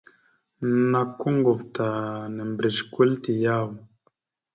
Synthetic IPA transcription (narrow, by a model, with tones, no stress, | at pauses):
na˨ko˦ŋɡo˨vta˨nɛ˨mbɾe˨ʃkwe˦lti˨ja˦˨w